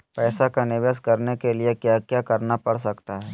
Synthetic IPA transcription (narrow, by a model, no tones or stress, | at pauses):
pɛːsakanɪʋəskɐɾnekeliekjakjaːkɐɾnapɐɽsɐkt̪aɦɛː